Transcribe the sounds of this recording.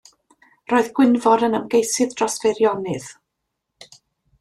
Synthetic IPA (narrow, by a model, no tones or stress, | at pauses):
roːɨðɡ̥wɪnvɔɾənəmɡejsɨðd̥rɔsvɛɾjɔnɨð